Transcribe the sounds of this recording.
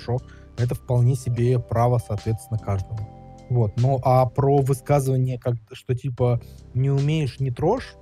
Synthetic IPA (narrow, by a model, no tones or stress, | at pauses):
ʂo | ɛt̪̬əfpɐlˠnʲesʲɪbʲepɾavəsɐːt̪vʲet̪st̪ʲɪnəkaʐd̪əmə | vo̞t̪noʔapɾovɨskazɨvənʲɪjəkak̪̚ʂt̪otʲipə | nʲɪʊmʲejɪʂnʲɪt̪ɾo̞ʂ